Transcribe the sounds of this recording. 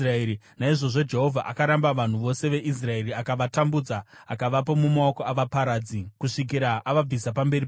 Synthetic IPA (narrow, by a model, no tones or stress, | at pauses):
raeɾi | naiʐo̞ʐo̞d͡ʒe̞ɦo̞vʱaʔakaɾambaʋan̤uʋo̞se̞ʋe̞ʔis̬rae̞riakaʋatambud͡zaakaʋap̬o̞mumao̞koaʋapaɾaːd͡zikuʂik̬iɾaʔaʋab͡visapambe̞ɾi